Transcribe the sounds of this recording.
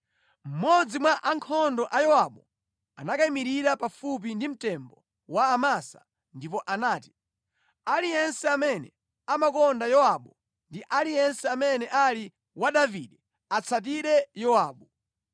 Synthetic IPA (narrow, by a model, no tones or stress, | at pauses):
m̩mɔd͡zimwaʔaŋkʰɔndɔʔajɔwaɓɔ | anakaimiɾiɾapafup̬indim̩tɛmbɔ | waːmasa̰ | ndip̬ɔʔanaːti̥ | alijɛnsɛamɛnɛ | amakɔndajɔaɓɔ | ndiʔalijɛnsɛamɛnɛʔali | waɗaviɗɛ | at͡sʰat̬iɾɛjɔwaːɓɔ